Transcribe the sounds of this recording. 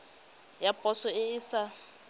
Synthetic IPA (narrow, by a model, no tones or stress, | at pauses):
japʼɔsɔɪɪsa